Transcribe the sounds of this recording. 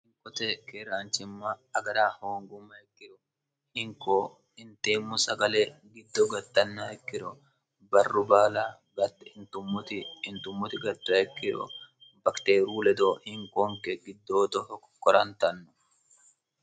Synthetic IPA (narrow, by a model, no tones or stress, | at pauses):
hɪŋkʼɔt̪ɛkeɾaːnt͡ʃɪmːaɐɡɐɾaːhoːŋɡʊmɐɛkːɪɾɔ | hɪŋko | ɪnt̪eːmːʊsɐɡɐleɡɪd̪ːɔɡɐt̪ːɐnːaɛkːɪɾʊ | bɐrːʊbaːla | ɡɐt̪ːɛɪnt̪ʊmːʊt̪ɪːnt̪ʊmːʊt̪ɪɡɐt̪ːɐɛkːɪɾɔ̰bɐkt̪eːɾuːlɛd̪ohɪŋkoːŋkɛɡɪd̪ːoːt̪ɔhɔkːkːɔɾɐnt̪ɐnːʊ̥